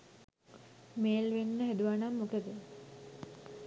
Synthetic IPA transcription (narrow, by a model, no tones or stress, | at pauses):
meːlʋenːəɦæd̪uʋanamːokəd̪ə